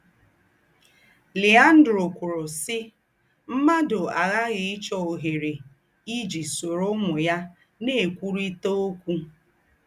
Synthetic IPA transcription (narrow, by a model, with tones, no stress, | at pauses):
li˨a˦n̩˦dɾo˨kʷʊ˨ɾʊ˨sɪ˦ | m̩˦ma˦dʊ˨a˨ɣa˦ɣɪ˨ɪ˦t͡ʃɔ˨o˨ɦe˨ɾe˨ | i˦d͡ʒi˨so˨ɾʊ˦ŋʊ˨ja˦ | ne˦e˨kʷu˦ɾi˦to˦o˦kʷu˦